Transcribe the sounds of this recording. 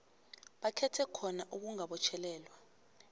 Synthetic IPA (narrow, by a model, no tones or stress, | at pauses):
ɓakʰɛtʰɛkʰɔnaʔuk̬uŋaɓɔt͡ʃʰɛlɛːlwa